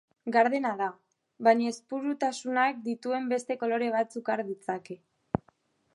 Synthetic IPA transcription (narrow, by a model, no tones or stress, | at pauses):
ɡaɾð̞e̞naða | βajɲaespuɾut̪asunak̚d̪it̪ue̞mbe̞st̪e̞ko̞lo̞ɾe̞β̞at͡sukaɾðit͡sake̞